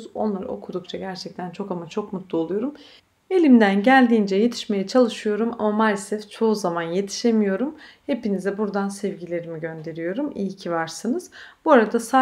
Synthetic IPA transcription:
zo̞̰nlˠaɾɯ̰o̞̰kʰud̪uk̚t͡ʃʰaɟæɾt͡ʃʰɛk̚t̪ʰænt͡ʃʰo̞kamat͡ʃʰo̞kmut̪ʰlˠuolˠujo̞ɾum | e̞lʲimd̪ænɟælʲd̪iːnd͡ʒɛje̞t̪ʰi̥ʃme̞jɛt͡ʃʰalˠɯʃɯjo̞ɾuma̰mamalsɛft͡ʃʰo̞uzamanje̞t̪ʰi̥ʃe̞mijo̞ɾumhe̞pinizɛbuɾd̪ansɛvɟilʲe̞ɾimiɟø̞nd̪e̞ɾijo̞ɾumijcʰivaɾsɯnɯz̥buaɾad̪asaː

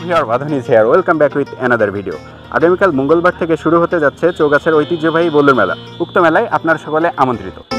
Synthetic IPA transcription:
bʱiaɾbad̪ʱonid͡ʑʱeaɾojlkambɛkuit̪ɛnad̪aɾbʱiɖio̰ | a̰ɡamikalmoŋɡolbaɾ̚t̪ʰekeʃuɾuɦot̪ed͡ʑatːɕʰet͡ɕoɡat͡ɕʰeɾojt̪id͡ʑobʱajbolːuɾmɛla̰ | uk̚t̪omɛlajʔa̰pnaɾʃɔkoleʔamont̪ɾit̪o

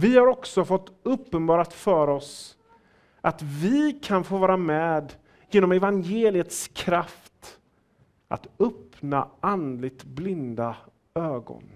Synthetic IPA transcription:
vɪhaɾɔksɔfɔt̪ːɵpːənbɑːɾat̪fœːɾɔs | ʔat̪vɪkʰanfoːvɑːɾamɛːd̪ | jeːnɔmɛvanjeːlɪət̪skʰɾaft̪ | ʔa̰t̪ɵpnaand̪lɪɡ̚t̪blɪnd̪a | øːɡɔ̰n

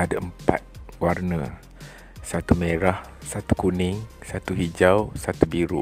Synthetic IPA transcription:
adaəmpa̰t̪̚warnə̰ | sat̪umeɾah | sat̪u̥kunɪŋsat̪uɦid͡ʒawsat̪ubiɾu

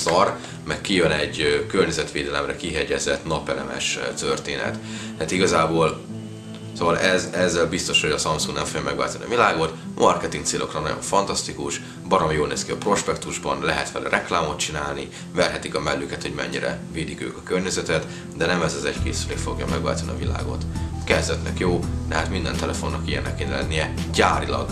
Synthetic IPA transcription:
sɒr | mɛkkːijønɛɟkørɲɛzɛt̪ʋeːd̪ɛlɛmrɾɛkiɦɛɟɛzɛt̪nɒpɛlɛmɛ̰ʃt̪ørt̪eːnɛ̰t̪ | aːt̪iɡɒzaːboːl | sovɒlʔɛzɛzːɛlbist̪o̞ʃho̞ɟɒsɒmsuŋɡnɛɱfoɡjɒmɛɡva̰ːlt̪onḭɒ̰vilaːɡo̞t̪mʔɒrkɛt̪iŋkt̪seːlʔo̞krɒnɒɟo̰ɱfɒnt̪ɒst̪ikuʃ | bɒɾomjoːlneːskiɒpro̞ʃpɛkt̪uʒbɒ̰nlɛɦɛt̪fɛlɛrʔɛklaːmo̞t̪t͡ʃinaːlni | vɛrɦɛt̪ikɒmɛlːyːkɛt̪ho̞ɟmɛ̰ɲːiɾɛ̰veːd̪ikø̰ːkɒkørɲɛzɛt̪ɛt̪ | d̪ɛnɛmɛzɒzɛckeːsyleːfo̞ɡjɒ̰mɛɡva̰ːlt̪ɒniɒ̰vila̰ːɡo̞̰t̪kɛzd̪ɛt̪nʔɛ̰kjoːnɛɦat̪mind̪ɛ̰nt̪ɛlɛfonːɒkijɛnːɛkːeːnɛlɛ̰nːijɛ | ɟaːɾilɒ̰ɡ

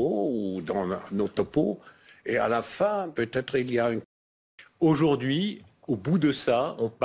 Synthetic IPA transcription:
oud̪ɑ̃not̪ɔpo | ea̰lafɛ̃pøt̪ɛt̪χilijayn | oʒuʁd̪ɥi | obud̪əsaɔ̃p

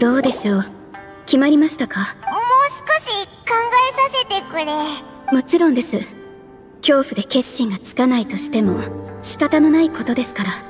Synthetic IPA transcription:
d̪̥o̞ːd̪e̞ɕo̞ː | kʲimaɾʲimaɕi̥t̪akamoːsɨ̥ko̞ɕikãŋɡaesase̞t̪e̞kɯɾe | mo̞t͡ɕiɾõ̞nd̪e̞sɨ | kʲo̞ːɸɯ̟d̪e̞ke̞ɕːĩŋɡat͡sɨ̥kanait̪o̞ɕi̥t̪e̞mo̞ɕi̥kat̪ano̞naiko̞t̪o̞d̪e̞sɨ̥kaɾa

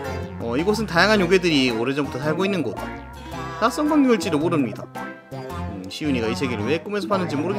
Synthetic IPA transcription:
ʌiɡʌs̬ʰɯntajaŋɦanjoɡe̞dɯɾioɾed͡ʑʌmbutʰʌs̬ʰaɭɡoinːɯnɡʌt̚ | t͈aks͈ʌŋbaŋjuŋɯɭt͡ɕ͈iɾɯmoɾɯmɲida | ɕʰijuɲiɡaisʰe̞ɡeɾɯɭwe̞k͈ɯmesʰʌpʰanːɯnd͡ʑimoɾɯɡe

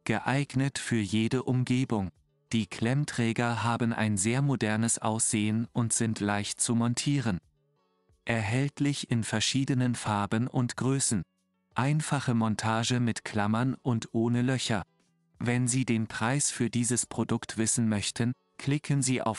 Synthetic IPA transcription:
ɡ̥əʔaɪɡnətfyːɐjeːdəʔʊmɡeːbʊŋ | d̥iːkʰl̥ɛmtʁ̥ɛːɡɐɦaːbn̩ʔa̰ɪnzeːɐmodɛɐnəsʔa̰ʊsz̥eːənʊntz̥ɪntʰlaɪçt̚t͡sumɔntʰiːʁ̞ən | ʔɛɐɦɛltlɪçɪnfɛɐʃiːdənənfaɐbənʊ̰ntɡ̥ʁøːsn̩ | ʔaɪnfaχəmɔntʰaːʒəmɪtkʰl̥amɐnʔʊntʔoːnəlœçɐ | vɛnziːdeːnpʁ̥aɪsfyːɐdiːzəspʁ̥odʊktv̥ɪsn̩mœçtʰən | kʰl̥ɪkʰənziːʔa̰ʊf

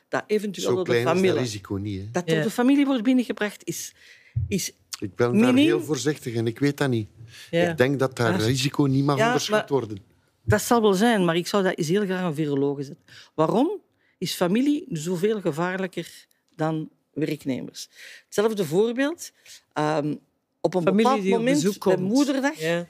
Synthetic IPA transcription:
d̥a̰ʔeːvɛntyzeːɔlɛamirizikoːniɛd̥ɑtərdəfamiliʋɔrt̚bɪnəɣəbrɑxtɪs | ɪs | ɪk̚bɪnmanɪeːlˠvoːrzɪxtəɣɛnɪkʋeːtaniɪɡ̚dɛŋkdɑtaːizikoːnimɑxjaːdərsatʋɔrdən | dɑtsɑlˠʋɛlˠzɛjnmaːrɪksɔwdaːʔɪs̬ɦeːlˠɣraːxənviroloːɣəzɛtənʋaːrɔm | ɪsfamilinzoːveːlˠɣəvaːrləkər | dɑn | ʋɛrknḛːmə̰rsətsɛləvdəvoːrbeːlˠt | əːm | ɔpənbəpaːlˠtmomɛnəmudərdax

